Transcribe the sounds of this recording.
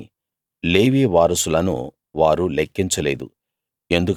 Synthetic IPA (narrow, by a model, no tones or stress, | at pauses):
leːʋeːʋaːɾɐsulɐnṵ | ʋaːɾulekːiɲt͡ʃɐleːd̪ṵ | e̞nd̪uk